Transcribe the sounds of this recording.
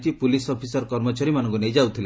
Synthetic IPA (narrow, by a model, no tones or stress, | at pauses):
t̪ipulisɔpʰisɔɾkɔɾmɔt͡ʃaɾimanɔ̃ŋkunejd͡ʒawt̪ʰile